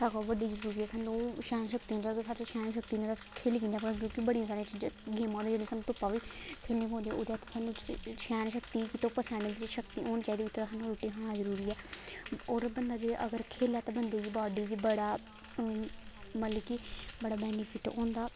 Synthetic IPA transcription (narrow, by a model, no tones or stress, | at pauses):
saɡoːʋəɖiːzəɾuːɾiːɛːsaːnũːʃɛːnʃəkt̪iːõnaːɡsaːt͡ʃːʃɛːniʃ̬ək̚t̪iːnẽːɾakʰeːliːkiːnd̪aːpɽk̬jõːkɪbəɽijãsaːɾ̃t͡ʃːɡeːmãːd̪eːd͡ʒeːɽĩːsaːnũːt̪ʊpːaːʋiːkʰeːlneiːpõːnd̪eɛ̃oːd̪eaːt̪aːsaːnːũːt͡ʃʃɛːnʃəkt̪iːkɪt̪oːpəsãːneːbɪt͡ʃʃəkt̪iːoːnt͡ʃaːid̪eʊt̪ːsaːnũːɾoːʈːiːɦãazəɾuːɾiːɛː | oːɾbənd̪aːd͡ʒeʔəɡəɾkʰeːljaːt̪aːbənd̪eːd͡ʒiːbaːɖiːd͡ʒiːbəɽaː | mət̪ləkɪbəɽaːbɛːnipʰɪʈõ̰ːnd̪aː